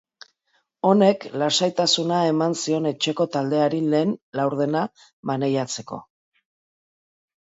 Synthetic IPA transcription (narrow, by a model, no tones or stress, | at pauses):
o̞ne̞klasajt̪asunae̞mansio̞ne̞t͡ʃe̞ko̞t̪ald̪e̞aɾile̞ːnlawɾð̞e̞na | βane̞jat͡se̞ko̞̰